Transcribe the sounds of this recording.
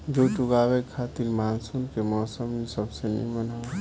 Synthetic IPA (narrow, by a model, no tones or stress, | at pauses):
d͡ʒoʈʊɡaːwekʰːaːt̪iɾmaːnsunkemɔːsəmːẽsəbsenĩməna